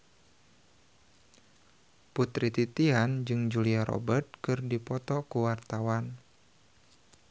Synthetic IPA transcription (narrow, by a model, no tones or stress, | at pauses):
put̪ɾit̪it̪iɦand͡ʒɨŋd͡ʒuliaɾɔ̰bərt̪̚kɨrdipɔt̪ɔkuwart̪awan